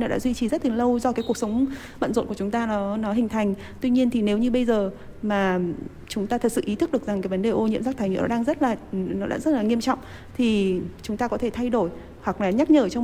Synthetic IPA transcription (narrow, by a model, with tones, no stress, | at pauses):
nɔ˨˦ɗa̰ː˧˥zwi˧t͡ɕi˨˩zə˦˥t̚t̪ɨ˨˩ŋlə˧wzɔ˧kaː˨˦jku˧˩əsə˨˦wŋ͡m | ɓə̰˧˨nzo̰˧˨nkə˨t͡ɕʊ˨˦ŋ͡mt̪aː˧nɔ˨˦nɔ˨˦ɦï˨˩ŋ̟t̪ʰa˨˩jŋ̟ | t̪wi˧ɲi˧ənt̪ʰi˨˩ne˨˦wɲɨ˧ɓə˧jzəː˨˩ | maː˨˩ | t͡ɕʊ˨˦ŋ͡mt̪aː˧t̪ʰə˨˩t̚sɨ̰˧˨ʔi˨˦t̪ʰɨ˦˥k̚ɗɨ˨˩əkza˨˩ŋkaː˨˦jvə˨˦nɗe˨˩ʔo˧ɲḭ˧˨əmsaː˦˥t̪ʰːjŋḭ˧˨nɔ˨˦aː˧ŋzə˦˥t̚laː˨˩nɔ˨˦ɗa̰ː˧˥zə˦˥t̚laː˨˩ŋi˧əmt͡ɕɔ̰˧˨wŋ͡m | t̪ʰi˨˩t͡ɕʊ˨˦ŋ͡mt̪aː˧kɔ˨˦e˧˩t̪ʰa˧jɗo˧˩j | hwa˨˩k̚laː˨˩ɲa˦˥t̚ɲəː˧˩t͡ɕɔ˧w